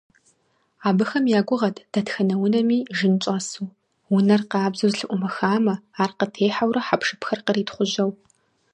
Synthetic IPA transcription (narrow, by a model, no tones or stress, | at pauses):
aːbɨxɐmjaːɡʷʊʁɐtʰd̥ɐtxɐnɐwʊnɐmiːʒɨnt͡ʃʷʼaːsuː | wʊnɐrqaːbzuzɬɨʔʷʊmɐxaːmɐaːrqətʰeːħawrɐħapʂɨpʰxɐrqəriːtχʷʊʑɐw